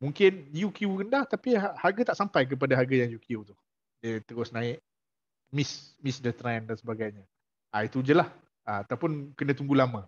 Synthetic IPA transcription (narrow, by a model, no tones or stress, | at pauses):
muŋkɪnjukiukəndaht̪apiaharɡat̪aʔsampajk̬əp̬adaɦaɡajaŋjukiut̪uh | dət̪əɣɔsnãɪʔ | mɪsmisdət̪ɾɛndansəbaɡajɲə̃ | ʔait̪ud͡ʒəlah | aat̪awpʊnkənə̃t̪uŋɡulamə̃